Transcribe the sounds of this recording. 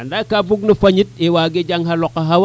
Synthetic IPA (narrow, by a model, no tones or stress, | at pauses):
andakːabuk̚nɐfaɲit̚iwaɡed͡ʒaŋɦalɔkːaɦaw